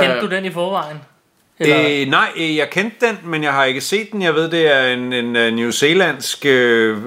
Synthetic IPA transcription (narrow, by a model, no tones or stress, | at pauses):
kʰend̥ud̥enifɒːʋɑ̈ɪ̰n̩ | nɑ̈ɪ̰jɑ̈ɪkʰend̥ːenmenjɑ̈ɪɦɑ̈e̝ɡ̥əse̝̰ːd̥̚ːen̩jɑ̈ɪʋe̝ð̰ˠd̥e̝æɐe̝nennjuse̝læn̰sɡ̥ø